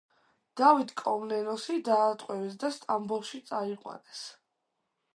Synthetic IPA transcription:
d̪̥avit̪kʼɔmnɛnɔsid̪aːt̪ʼqʼwɛvɛs̬d̪ast̪ʼambulˠʃit̪sʼaiqʼwa̰nɛs

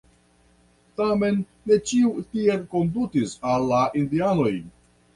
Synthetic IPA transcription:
tame̞nːe̞t͡ʃiutie̞lko̞ndutisalːaʔindiano̞j

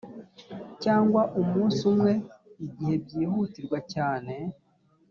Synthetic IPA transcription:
caːŋɡwaʔumuːnsumwe̞iɟihe̞b̚ɟiːhutiɾɡwacaːne̞

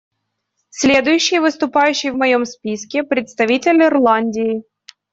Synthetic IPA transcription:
sʲlʲed̪ʊjʉɕːɪjəvɨst̪ʊpajʉɕːɪjəvmɐjo̞mspʲiskʲɪpɾʲɪt̪st̪ɐvʲitʲɪlʲɪrlˠanʲdʲɪɪ

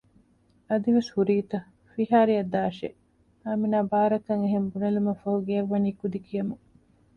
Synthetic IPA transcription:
ɐd̪iʋeshuɾiːt̪ɐ | fiɦaːɾiɐd̪aːʃḛ | haːminaːbaːɾɐkɐŋeɦembunɐlumɐfɐɦuɡeɐʋːɐniːkud̪ikijɐmu

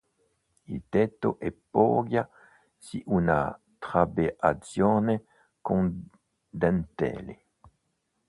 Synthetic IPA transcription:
ilt̪ɛt̪oʔepoɡja | siʔuna̰ | t̪χabeat͡sjone | kõŋ | d̪ɛnt̪ḛle

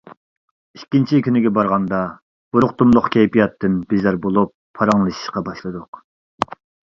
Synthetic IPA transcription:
iʃkʲːint͡ʃʰikʲynɪɡʲɛbɑɾʁɑnd̪ɑ | b̥uɾʊqt̪umlˠʊqkʲʰɛjpijɑt̪ːɨnbizɑɾbolˠupʰːɑɾɑŋlˠɨʃi̥ʃqɑbɑʃlˠɨd̪ʊq

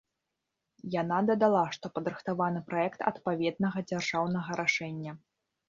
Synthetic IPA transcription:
janad̪ɐd̪alˠaʂt̪ɔpɐd̪ɾɨxt̪avanɨpɾaɛkt̪ɐ̰t̪pavʲɛd̪̚nɐɣɐd͡zʲarʐawnɐɣɐɾʔaʂɛnʲːɐ

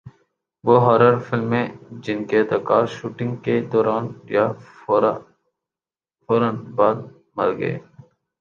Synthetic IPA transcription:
ʋoːɦɔːɾəɾfɪlmːẽd͡ʒɪnket̪ɐkɑːʃuːʈɪ̃ŋɡked̪oːɾaːnja | foːɾənbɑːd̪̚ | mɐ̰ɾɡə̰ḛː

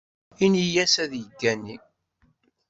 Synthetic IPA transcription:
inijæsæðjəd̪ːænːi

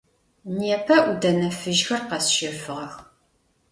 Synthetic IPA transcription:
niɛpʰɐʔʷudɐnɐfɨʒxɐrqɐsʃɪfɨʁɐx

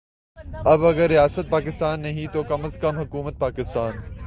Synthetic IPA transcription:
ɐbɐɡəɾːijaːsət̪̚paːkɪst̪aːnːɐɦĩt̪oːkɐməzkɐmɦʊkuːmət̪̚paːkɪst̪aːn

